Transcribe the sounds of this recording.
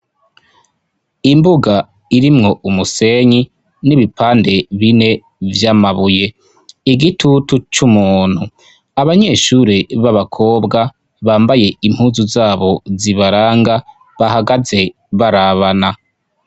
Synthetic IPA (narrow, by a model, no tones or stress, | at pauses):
imbuɡa | iɾimŋo̞ʔumuse̞ɲi | niβipaːnde̞βine̞ | vjamaβuje̞ | iɡitʰutut͡ʃumuːn̥hu | aβaɲe̞ʃuːɾiβaβakʰo̞ːbɡa | βaːmbaje̞im̥huːzuzaːβo̞ziβaɾaːŋɡa | βahaɡaze̞ | βaɾaβana